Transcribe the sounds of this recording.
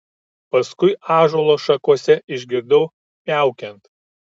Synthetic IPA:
pɐskʊɪɑːʒoːlˠoːʃɐkuɔsʲɛʔɪʒʲɡʲɪɾd̪ɐʊ | pʲæˑʊkʲɛnt̪

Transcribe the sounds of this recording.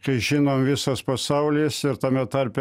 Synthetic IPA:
kɐɪʒʲɪnoːmʋʲɪsɐspɐsɑʊlʲɪːsɪɾt̪ɐmʲɛt̪ɐrʲpʲɛ

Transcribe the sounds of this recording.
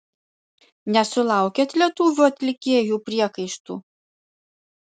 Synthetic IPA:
nʲɛsʊlˠɑˑʊkʲeːt̪lʲiɛt̪uːʋʲuːɐt̪ʲlʲɪkʲeːjuːpʲɾʲiɛkɐɪʃt̪ṵː

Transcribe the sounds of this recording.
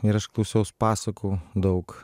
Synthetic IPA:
iɾɐʃklˠɐʊsʲɛʊspaːsɐkud̪ɔʊk

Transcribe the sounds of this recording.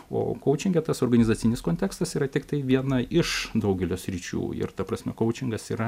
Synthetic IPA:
o̰ːkɐʊt͡ʃʲɪŋʲɡʲɛt̪ɐsoːrɡɐnʲɪzɑːsʲɪnʲɪskoːnʲt̪ʲæːkst̪ɐsiːɾɐt̪ʲɪkt̪ɐɪʋʲiɛnɐʔɪʃd̪ɐʊɡʲɛlʲoːsʲɾʲiːt͡ʃʲṵːɪ̰ɾt̪ɐpɾɐsʲmʲɛkɐʊt͡ʃʲɪŋɡɐsḭːɾɐ

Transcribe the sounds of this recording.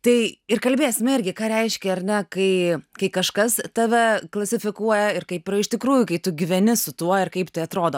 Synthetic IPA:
t̪ɐɪɪrkɐlʲbʲeːsʲɪmɪɾʲɡʲɪkɑːɾʲɛɪʃʲkʲɛɐɾʲnʲɛkɐɪkɐɪkɐʃkɐst̪ɐʋʲɛklˠɐsʲɪfʲɪkuɔjɛɪrkɐɪpɪɾɪʃʲt̪ʲɪkɾuːjʊkɐɪt̪ʊɡʲɪʋʲɛnʲɪsʊt̪uɔɪrkɐɪpt̪ɐɪɐt̪ɾoːd̪oː

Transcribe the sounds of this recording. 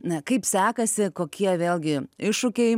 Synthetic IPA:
nɐkɐɪpsʲæːkɐsʲɪkoːkʲiɛʋʲeːlˠʲɡʲɪɪʃʊkʲɛɪ

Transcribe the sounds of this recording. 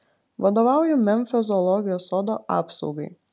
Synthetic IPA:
ʋɐd̪oːʋɑˑʊjɛmʲɛmʲfʲɛzɔlˠɔɡʲɪjoːsoːd̪oʔɑ̰ːpsɐʊɡɐɪ

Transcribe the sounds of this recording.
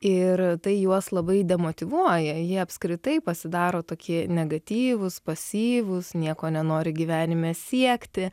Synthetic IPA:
ɪɾt̪ɐɪjuɔslˠɐbɐɪd̪ʲɛmoːt̪ʲɪʋuɔjɛjiɛɐpskɾʲɪt̪ɐɪpɐsʲɪd̪ɑːɾoːt̪oːkʲiɛnʲɛɡɐt̪ʲiːʋʊspɐsʲiːʋʊsnʲiɛkoːnʲɛnoːɾʲɪɡʲiʋʲæːnʲɪmʲeːsʲiɛkt̪ʲɪ

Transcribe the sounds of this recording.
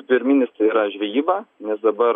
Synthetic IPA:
pʲɪɾʲmʲinʲɪst̪ɐɪiːɾɐʒʲʋʲiːʋɐːnʲɛsd̪ɐbɐ

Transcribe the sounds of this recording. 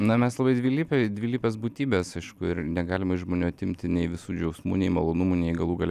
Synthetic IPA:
nɐmʲɛslˠɐbɐɪd̪ʲʋʲiːlʲiːpʲɛd̪ʲʋʲiːlʲiːpʲesbuːt̪ʲiːbʲeːsɐɪʃkʊɪɾnʲɛɡɑːlʲɪmɐɪʃʒmoːnʲuːɐt̪ʲɪmʲt̪ʲɪnʲɛɪʋʲɪsuːd͡ʒʲɛʊsmṵːnʲɛɪmɐlˠoːnʊmunʲɛɪɡɐlˠuːɡɐlʲ

